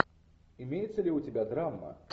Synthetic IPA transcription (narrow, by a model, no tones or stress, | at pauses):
imʲejɛt̪sːɐlʲiutʲɛbʲad̪ɾamːɐ̰